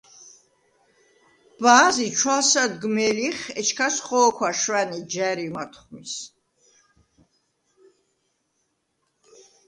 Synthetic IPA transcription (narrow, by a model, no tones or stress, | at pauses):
b̥aːzit͡ʃʰwalsad̪ɡmɛliχɛt͡ʃʰkʰasχɔːkʰwaʃwanid͡ʒɛɾimat̪ʰχmis